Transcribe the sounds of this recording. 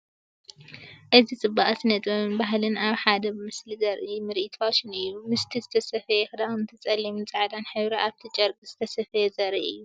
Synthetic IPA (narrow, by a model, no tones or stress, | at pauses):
ʔɨzit͡sʼɨbːaʔsɨnɐt̪ʼɐβɨnbaɦlɨnaβħad̪ɐbɨmɨslizɐɾʔimɨɾʔit̪ʰaʃɪnijumɨst̪ʰizɨt̪ʰɐsɐfɐjɛxɨd̪aɨnt̪ʰɨt͡sʼɐlːimɨnt͡sʼɨʕd̪anħɨβɾaʔaβt̪ʰit͡ʃʼɐɾkʼiz̥ɨt̪ʰɐsɐfɐjɛzɐɾiʔɨjːu